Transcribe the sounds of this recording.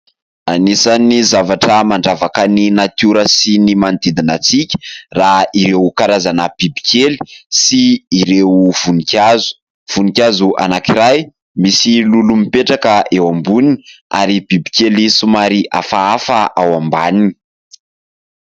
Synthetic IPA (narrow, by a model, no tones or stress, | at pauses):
anisanizavaʈ͡ʂəmaɳɖ͡ʐavakəninat̪juɾəsinimand̪id̪inat͡sikʲə̥raiɾewkaɾazanəb̥ibi̥kʰelisiːɾewvunikʲazu̥ | v̥unikʲazuʔa̰nakiɾaj | misilulumipeʈ͡ʂakəʔewambuninia̰ɾib̥ibikelisumaɾiʔa̰faafaʔawambanini̥